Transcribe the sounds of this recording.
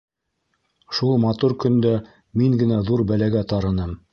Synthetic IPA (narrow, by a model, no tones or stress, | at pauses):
ʃulˠmɑt̪uɾkɵ̆nd̪æ | miŋɡɘ̆næðuɾbælæɡæt̪ɑɾɤ̆nɤm